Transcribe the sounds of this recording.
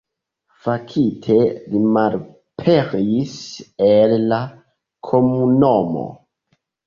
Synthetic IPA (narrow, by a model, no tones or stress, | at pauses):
fakʰitʰe̞limaɾ | pʰeɾiselːa | kʰomunomo̰